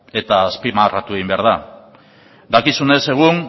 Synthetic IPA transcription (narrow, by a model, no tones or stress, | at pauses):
e̞t̪aːspimarat̪ueɣimbe̞aɾð̞a | d̪akisune̞se̞ɣ̞un